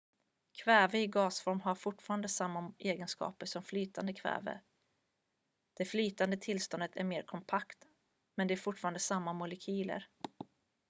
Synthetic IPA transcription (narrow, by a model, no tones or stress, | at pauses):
kʰvɛːvəɪɡɑːsfɔɾmɦaɾfʊʈfɑːɾand̪əsamːaʔeːɡənskɑ̰ːpəʂɔmflyːt̪ʰand̪əkʰvɛ̰ːvə̰ | d̪̥ɛflyːt̪and̪ət̪ʰɪlst̪ɔnd̪ət̪ʰæ̰ɾmeːɾkʰɔmpʰakt̪ | mɛnd̪ɛæɾfʊʈfɑːɾand̪əsamːamʊlɛkʰyːlə̰ɾ